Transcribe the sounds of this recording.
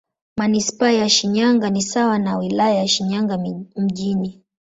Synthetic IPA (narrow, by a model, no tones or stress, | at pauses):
manispaːjaʃiɲaŋɡanisawanawilajajaʃiɲaŋɡam̩ʄini